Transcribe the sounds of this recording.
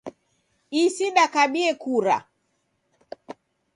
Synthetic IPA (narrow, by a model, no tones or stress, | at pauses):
isinakaɓiɛkuɾa̰